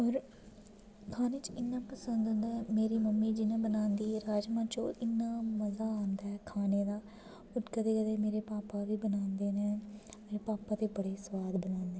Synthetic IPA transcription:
ɦɔːɾ | kʰaːneːt͡ʃɪnːãːpəsənd̪ənd̪meːɾiːməmːiːd͡ʒɪnẽːbənaːnd̪iːɾaːd͡ʒmãːt͡ʃõːʔɪnːãːməzaːaːnd̪aːɛkʰaːneːd̪aː | ʊɾkəd̪eːkəd̪eːmeːɾeːpaːpaːʋiːbənaːnd̪eːnẽːmeːɾeːpaːpãːt̪eːbəɽeːsʋaːd̪bənãːnd̪eː

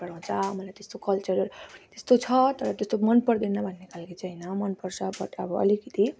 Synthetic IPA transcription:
ʌɽaw̃t͡sʰʌmʌlajt̪est̪okʌlt͡sʌɾʌt̪est̪ot͡sʰʌt̪ʌɾʌt̪est̪omʌnpʌɾd̪inʌbʱʌnːekʰalakit͡sʌjnʌmʌnpʌrt͡sʰʌbʌʈʌbʌʌ̰likʌt̪i

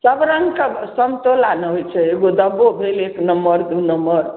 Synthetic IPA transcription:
səbɾəŋɡkəsəmt̪olaneɦojt͡ʃʰɛeɡod̪əbobʱeleknəmːəɾd̪unəmbəɾ

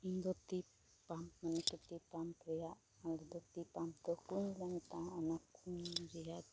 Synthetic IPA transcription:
ind̪ɔt̪i | pampmanɛkut̪ipampɾɛjaʔ | ald̪ɔt̪ipampt̪ɔkunlaŋit̪aanakunɾɛjad̪

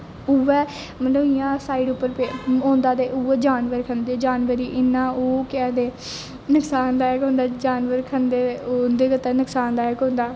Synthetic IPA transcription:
ʊʋɛː | mətləʋɪjãːsaːiːɖʊpːəɾpeːɦõːnd̪aːd̪eːʔuːʋɛːd͡ʒaːnʋəɾkʰənd̪eːd͡ʒaːnʋəɾiːʔɪnːãːoːkɛːd̪eː | nʊksaːnd̪aːɛːkɦõːnd̪aːd͡ʒaːnʋəɾkʰənd̪eːond̪eːkət̪ɛːnəksaːnd̪aːɛːkõːnd̪aː

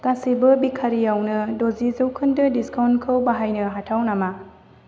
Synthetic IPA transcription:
kasibɐbikʰaɾijawnɐdozizɐwkʰɯndɐdiskawnkʰɐwbaɦajnɐɦatʰawnama

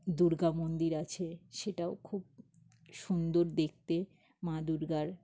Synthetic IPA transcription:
d̪uɾɡamond̪iɾat͡ɕʰeʃeʈaokʰub̚ | ʃund̪oɾd̪ek̚ʰt̪e | mãd̪uɾɡaɾ

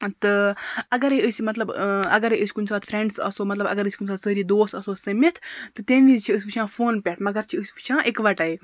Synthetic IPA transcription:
t̪ɨɐɡɐɾeəsʲmɐt̪lɐbɐɡɐɾeʔɨsʲkunsaːt̪fʰɾeɳɖsɐ̰soːmɐt̪lɐbɐ̰ɡɐɾɨsʲkunʲsaːt̪səːɾiːd̪oːst̪ɐsoːsəmit̪ʰt̪ɨt̪enizt͡ʃʰiəsʲpit͡ʃʰãːfoːnpʲɛʈʰmɐɡɐɾt͡ʃʰiəsʲpi̥t͡ʃʰãːʔekʋɐʈɐe

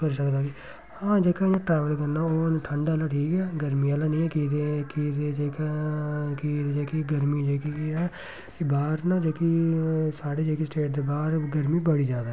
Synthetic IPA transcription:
əɾiːsəkd̪aːɡiː | hãːd͡ʒeːkãːãʈɾɛːʋəlkəɾnaːoːnʈ̪ʰəɳɖaːlaːʈʰiːkɛːɡəɾmiːalaːnĩːɛːkiːd̪ekiːd̪eːd͡ʒeːkː | kiːd̪ed͡ʒeːkiɡəɾmiːd͡ʒeːkiɛː | kibaːɾnaːd͡ʒeːkisaːɽeːd͡ʒeːkiːsʈeːʈ̚d̪eːbaːɾɡəɾmiːbəɽiːd͡ʒaːd̪aː

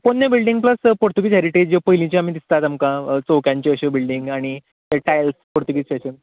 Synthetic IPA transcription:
ponːebilɖĩŋɡ̚pləspoɾt̪uɡiːt͡ɕɦaɾiʈed͡ʑd͡ʑepəɦilĩt͡ɕeamiːd̪ist̪at̪amkat͡soʋkjãɲt͡ɕeəɕebilɖiŋɡaɽ̃i | t̪aʈajlspoɾt̪uɡit͡ɕʈeɕən

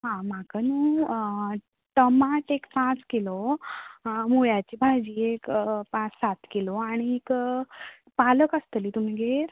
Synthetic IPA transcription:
ɦãmakənũ | ʈ̪əmaʈekpãt͡skilo | moɭjat͡ɕibʱajd͡ʑiekpãt͡ssat̪kiloaɽ̃iek | paləkəst̪əliːt̪um̤iɡʱeɾ

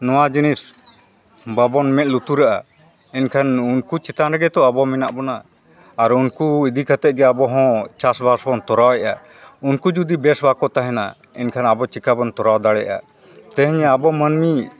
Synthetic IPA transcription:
nɔwad͡ʒinis | babɔnmɛt̪̚ˀlut̪uɾaʔa | ɛnkʰanunkut͡ʃɛt̪aɾaɡɛt̪ɔabɔmɛnaʔbɔnaː | ɾunkuid̪ikʰat̪ɛt̪̚ɡɛabɔɦɔ̃t͡ʃasbaɾsbɔnt̪ɔɾawɛʔa̰ | unkud͡ʒud̪ibɛsbakɔt̪aɦɛna | ɛ̰nkʰanabɔt͡ʃikabɔnt̪ɔɾawd̪aɽɛʔa̰ | t̪ɛ̃ɦɛɲabɔmənmi

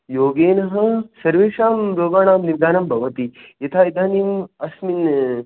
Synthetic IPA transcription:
joːɡeːnɐɦɐsɐɾʋeːʂaːmɾoːɡaːɳaːmniɾd̪aːnɐmbʱɐʋɐt̪ijɐt̪ʰaːid̪aːnimɐsmin

